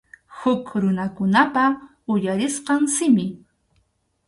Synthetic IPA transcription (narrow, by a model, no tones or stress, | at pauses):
hʊkɾʊnakʊnapa | ʊjaɾɪsqɑŋsɪmɪ